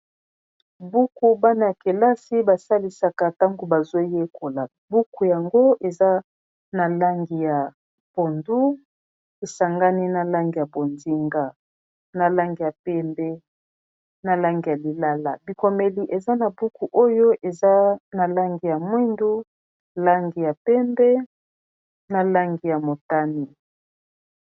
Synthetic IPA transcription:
bu˦ku˨ba˦na˨ja˨ke˨la˦si˦ba˨sa˦li˦sa˨ka˨ta˦ŋɡo˨ba˨zo˦je˦kʰo˨la˨ | bu˦ku˨ja˨ŋɡo˦e˨za˦ | na˨la˦ŋɡi˨ja˨ | b̥o˨ndu˦ | e˨sa˨ŋɡa˦ni˦na˨la˦ŋɡi˨ja˨bo˨ndi˦ŋɡa˦ | na˨la˦ŋɡi˨ja˨pɛ˦mbɛ˦ | na˨la˦ŋɡi˨ja˨li˨la˦la˨bi˨ko˨me˨li˨ʔe˨za˦na˨bu˦ku˨ʔo˦jo˦ʔe˨za˦na˨la˦ŋɡi˨ja˨mwi˦ndu˦ | la˦ŋɡi˨ja˨pɛ˦mbɛ˦ | na˨la˦ŋɡi˨ja˨mo˨ta˦ni˨

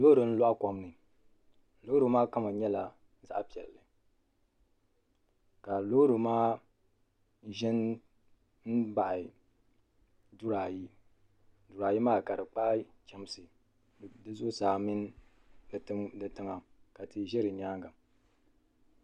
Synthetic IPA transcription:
lo˦ɾɨ˨n̩˦lo˦ʔa˦ko˨mnɨ˨ | lo˦ɾu˨˦maː˦ka˦ma˨ɲɛ˦la˨ | za˦ʔpi˨ɛ˨lːɨ˨ | ka˨lo˦ɾɨ˨maː˦ | ʒɛ˦n | n̩˦ba˨ʔɪ˨ | dʊ˦ɾa˨ji˦ | du˨ɾaː˨ji˦maː˦˨ka˨ɾɨ˨k͡pa˦t͡ʃɛ˦m˦sɨ˨ | dɨ˦zʊ˦ʊ˦saː˨mɪ˦n˦˨˦ | dɨ˨tɨ˦ŋa˨ | ka˨tɨ˨ʒɛ˦ɾɨ˨ɲaː˦ŋɡa˨

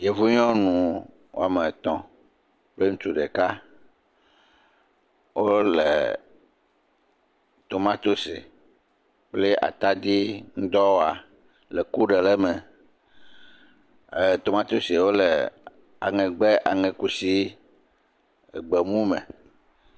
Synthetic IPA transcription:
je˨vu˦ɲɔ̃˦nũ˨ | wo̰˦a˨mẽ˨t̪ɔ̃˨ | k͡ple˦ŋ̩ũ˦t̪u˦ɖe˨ka˦ | wo˦lḛ˨ | t̪o˨mã˦t̪o˦sḛ˨ | k͡ple˦ʔa̰˨t̪a˦d̪i˦ŋ̩˦d̪ɔ˦wa˨ | lɛ˨ku˦ɖe˨le˦mɛ̃˨ | t̪o˨mã˦t̪o˦se˨wo˦le˨ | a̰˨ŋɛ̃˨ɡ͡bɛ˦ʔa˨ŋɛ̃˨ku˦si˦ | e˨ɡ͡be˨mũ˦mɛ̰̃˨

